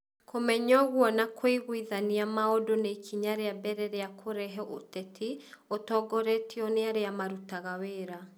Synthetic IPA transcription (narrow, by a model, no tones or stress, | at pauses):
kʰomɛɲɔɣwɔnakʰwiɣwiðaniamaɔdonekʰiɲaɾeabɛɾɛɾeakʰoɾɛɦɛʔotɛtʰiotɔɡɔɾɛtʰiɔneaɾeamaɾutaɣaweːɾa